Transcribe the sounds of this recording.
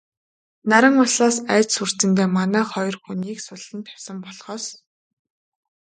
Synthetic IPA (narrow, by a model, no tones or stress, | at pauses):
naɾə̆ŋʊɮaːsæːt͡ɕsur̥t͡sɘ̆nt̪eːmanæːχɔjɞ̆rxuniːksʊɮ̥ɘ̆nt̪ʰæ̥wʲsə̆mpɔɮχɔːs